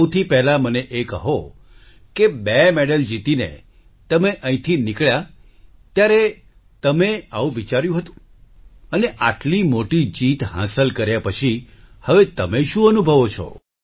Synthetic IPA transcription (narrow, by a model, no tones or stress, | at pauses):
wt̪ʰipɛɦɛlaməneʔekəɦo | kebɛmeɽəld͡ʒit̪inḛ | t̪əmeʔə̃ĩt̪ʰinikɭja | t̪jaɾe | t̪əmeaʋũʋit͡ʃaɾjũɦət̪ũ̥ | əneʔaʈlimoʈid͡ʒit̪ɦã̰səlkəɾjapət͡ʃʰi | həʋet̪əmeʃũənubʱəʋot͡ʃʰɔ̰